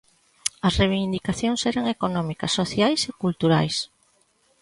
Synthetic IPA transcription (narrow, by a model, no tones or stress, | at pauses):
ɐsrejβind̪ikaθjoŋsɛɾaŋekonɔmikɐsːoθjajsekult̪uɾajs